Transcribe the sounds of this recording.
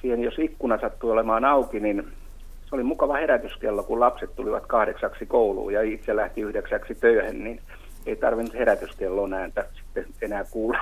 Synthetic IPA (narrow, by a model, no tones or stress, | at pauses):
siːhenjosikːunɑsɑt̪ːuolemɑːnɑukinin | seolimukɑʋɑheɾæt̪yskelːokullɑpset̪t̪uliʋɑ̰t̪kɑhɾeksɑksikoulṵːjɑit̪selæht̪iyhdeksæksit̪øyhennin | eit̪ɑ̰rʋinːut̪heɾæt̪yskelːonæːnt̪æsi̥t̪ːe | enæːkuːlːɑ